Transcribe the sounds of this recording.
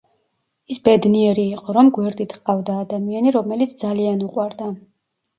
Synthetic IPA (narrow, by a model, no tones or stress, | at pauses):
isbɛd̪niɛɾiːqʼɔɾɔmɡwɛɾd̪it̪ʰqʼavd̪aːd̪amianiɾɔmɛlit̪sʰd̪zalianuqʼwaɾd̪a